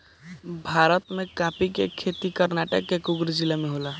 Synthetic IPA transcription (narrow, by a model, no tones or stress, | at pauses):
bʱaɾət̪mẽkãpikekʰet̪ikəɾnaʈə̰kːekuɡɾd͡ʒilameɦola